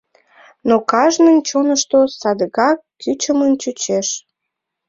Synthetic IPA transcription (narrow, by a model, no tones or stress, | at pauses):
nokɑʒnənt͡ɕonəʃt̪osɑd̪əɣɑkːyt͡ɕəmənt͡ɕyt͡ɕeʃ